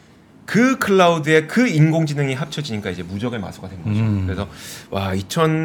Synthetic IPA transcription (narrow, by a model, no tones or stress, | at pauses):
kɯkʰɯɭːaudɯe̞kɯinɡoŋd͡ʑinɯŋiɦap̚t͡ɕʰʌd͡ʑiɲik͈aid͡ʑe̞mud͡ʑʌɡɯɭma̰sʰoɡadwenɡʌɕikɯɾe̞sʰʌwait͡ɕʰʌn